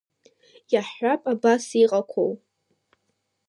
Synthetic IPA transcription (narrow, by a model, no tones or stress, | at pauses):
jaħapʼabasiqʼakʷʰow